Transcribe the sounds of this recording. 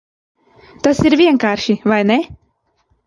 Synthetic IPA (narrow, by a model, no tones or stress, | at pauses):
t̪asiɾvʲiɛŋkaːɾʃivajne